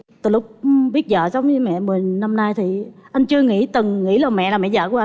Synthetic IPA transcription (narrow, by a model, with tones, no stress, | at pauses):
t̪ɨː˨˩lʊ˦˥k͡p̚ɓi˦˥t̚zə̰ː˧˨sa˧˦wŋ͡mmɛ̰˧˨mɨ˨˩əjna˧mnaː˧jt̪ʰi˨˩ʔa˧jŋ̟t͡ɕɨ˧əŋḭ˧˥t̪ɨ˨˩ŋŋḭ˧˥laː˨˩mɛ̰˧˨laː˨˩mɛ̰˧˨˩zə̰ː˧˨ku˧˩˦ʔa˧